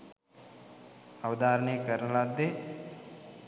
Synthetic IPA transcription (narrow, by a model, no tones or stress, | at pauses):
əʋd̪aːɾnekəɾnəlad̪eː